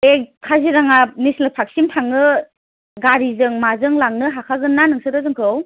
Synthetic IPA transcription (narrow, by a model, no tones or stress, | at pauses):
ekʰaziɾaŋanislɯpʰak̚simtʰaŋɯ | ɡaɾizɯŋmazɯŋlaŋnɯɦakʰaɡɯnːanɯŋsɯɾɯzɯŋkʰɯw